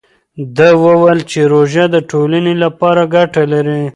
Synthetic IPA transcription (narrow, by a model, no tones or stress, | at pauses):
d̪əwəwəlt͡ʃeɾoʒad̪əʈolanelapɑɾaɡaʈalaɾi